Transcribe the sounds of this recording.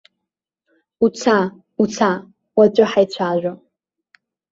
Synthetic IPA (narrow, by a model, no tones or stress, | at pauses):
ut͡sʰa | ut͡sʰa | wat͡ɕʷʼɨħajt͡ɕʷʰaːʒᶣʷo